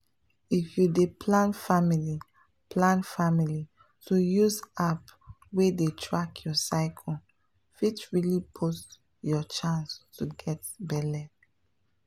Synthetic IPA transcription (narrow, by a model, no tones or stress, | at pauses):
ifjudepʰlãnfamili | plãnfamili | tujuzap | wedetʰɹakʰjɔsaɪkʰɔ | fitɹilipʰost | jɔt͡ʃãnstuɡɛtbɛlɛ